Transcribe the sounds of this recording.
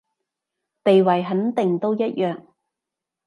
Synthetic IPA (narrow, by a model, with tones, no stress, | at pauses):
t̪e˨jwɐ˨˩jɦɐ˨˥nt̪ɪ˨ŋt̪o˥wjɐ˥t̚jœː˨ŋ